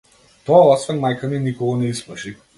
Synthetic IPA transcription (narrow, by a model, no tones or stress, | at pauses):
t̪ɔaɔsvɛnmajkaninikɔɡɔnɛisməʃi